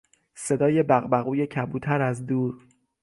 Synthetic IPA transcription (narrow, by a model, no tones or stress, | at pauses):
se̞d̪ɒːje̞bæɣbæɣuːjecʰæbuːt̪ʰæɾæzd̪uːɾ